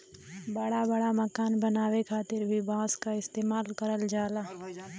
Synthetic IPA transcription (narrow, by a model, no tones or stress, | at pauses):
bɐɽabɐɽamɐkaːnbɐnaːwekʰaːt̪ɪɾbʱibʱãːskaɪst̪eːmaːlkɐɾəld͡ʒaːlaː